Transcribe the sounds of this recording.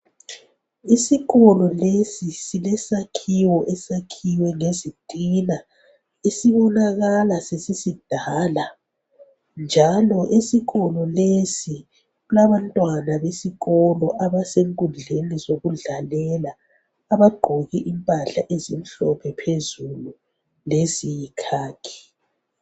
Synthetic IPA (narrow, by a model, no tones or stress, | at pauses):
isiɣɔlɔlesisilɛsakʰiwɔʔɛsakʰiwɛŋezitʼina | esiβɔnaɣalasesisid̥ʱaːla | nd͡ʒʱalɔʔesiɣɔlɔlesi | ɣulaβantʼwanaβesiɣɔlɔʔaβaseŋkʼund͡ɮʱenizoɣuɮalɛlaː | βaɡ͡ǃʱɔɣɛʔimpʼaɬa̰ʔezin̩ɬɔpʰɛpʰezulu | lezijikʰaːkʰi̥